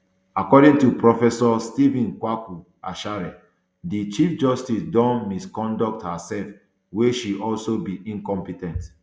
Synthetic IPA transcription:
akɔdĩŋtupɹɔfɛsɔstivĩnkwaku | a̰ʃaɹɛ | dit͡ʃifd͡ʒɔstisdɔ̃nmiskɔ̃ndɔk̚thasɛlf | weʃiʔɔlsobiʔĩnkɔ̃mpitɛ̃nt

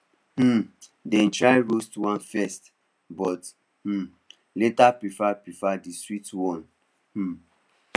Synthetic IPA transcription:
h̩dɛ̃ntɹaɪɹostuwãnfɛst | bɔt | h̩ | letapɹifapɹifadistɹitwɔ̃n̩

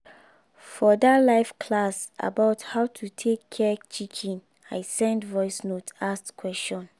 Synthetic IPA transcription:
fɔdalaɪfkʰlasʔa̰baʊthaʊtʰutʰekʰːɛt͡ʃikʰɛ̃n | ajsɛ̃ndvɔɪsnotaskʰwɛst͡ʃɔ̃n

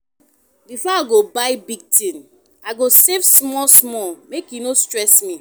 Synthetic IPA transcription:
bifɔaɡobaɪbiɡ̚tĩn | aɪɡosevsmɔlsmɔlmekjunostɹɛsmi

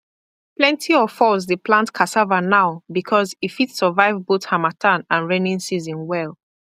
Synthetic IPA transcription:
plɛ̃ntiɔfɔls̬dəplãntkʰasavanaʊbikʰɔzitfitsəvaɪvboθhamatʰãnãnɹɛ̃nĩnsizɔ̃nwɛlˠ

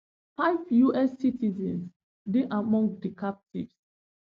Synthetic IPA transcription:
faɪvjuʔɛsitizɛ̰̃ns | diʔamɔ̃ŋɡdikap̚tḭvs

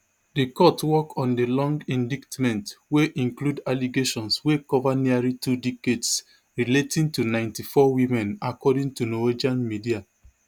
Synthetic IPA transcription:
dekɔtwɔkɔ̃ndelɔ̃ŋɡĩndiktmɛ̃ntweʔĩŋkludaliɡeʃɔ̃nswekɔvaniaɹitudikets | ɹiletĩŋtunãɪ̃ntifɔwimɛ̃nakɔdĩŋtunɔwed͡ʒiãnmidia

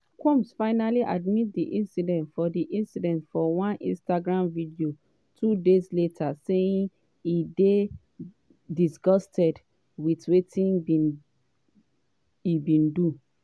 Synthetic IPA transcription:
kʰɔ̃msfaɪnaliʔadmit̚diʔĩnsidɛ̃ntfɔdiʔĩnsidɛ̃ntfɔwãnʔḭ̃nstaɡɹãmvidio | tʰudezletʰaseĩn | ide | disɡɔstɛd | witwetʰĩnbi | ibĩndu

